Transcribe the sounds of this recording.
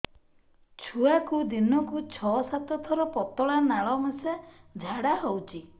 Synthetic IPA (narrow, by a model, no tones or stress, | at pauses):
t͡ʃʰuakud̪inɔkut͡ʃʰɔsat̪ɔt̪ʰɔɾɔpɔt̪ɔɭanaɭɔmesed͡ʒʱaɽaɦowt͡ʃʰi